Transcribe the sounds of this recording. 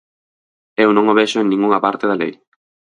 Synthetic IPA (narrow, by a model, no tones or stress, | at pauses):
ewnõŋoβeʃʊeŋnĩŋuŋɐpaɾt̪ɪðalḛj